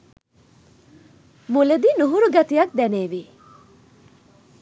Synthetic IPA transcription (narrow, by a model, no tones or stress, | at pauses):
muled̪inuɦuɾuɡɐt̪ijɐk̚d̪æneːʋi